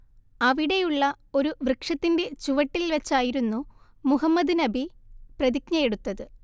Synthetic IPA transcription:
ɐʋiɽe̞juɭːɐ | o̞ɾuʋrɨkʂɐt̪ːinde̞t͡ɕuʋɐʈːilʋet͡ɕːaːjiɾunːu | muɦɐmːɐd̪ɨnɐbʱiprɐðikɲɐjeɽut̪ːɐðɨ

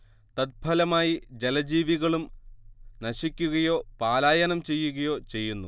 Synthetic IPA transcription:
t̪ɐd̪̚bʱɐlɐmaːjid͡ʑelɐd͡ʑiːʋiɣɐɭum | nɐɕikʲːuɣɐjo̞ːpaːlaːjɐnɐmt͡ɕe̞jːuɣɐjo̞ːt͡ɕe̞jːunːu

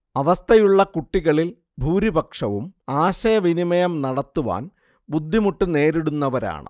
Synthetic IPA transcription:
ɐʋɐst̪ʰɐjuɭːɐkuʈːiɣɐɭil | bʱuːɾibɐkʂɐʋumaːɕɐjɐʋinimɐjɐmnɐɽɐt̪ːuʋa̰ːn | bud̪ʱːimuʈːɨne̞ːɾiɽunːɐʋɐɾa̰ːɳɨ̰

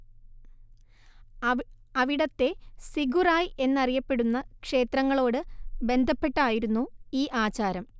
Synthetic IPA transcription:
ɐʋiɽɐt̪ːe̞siɡuraːjʔe̞nːɨɐrijɐpːe̞ɽunːɐkʂe̞ːt̪rɐŋːɐɭo̞ːɽɨbe̞nd̪ʱɐpːe̞ʈːaːjiɾunːuiːʔaːt͡ɕaːɾɐm

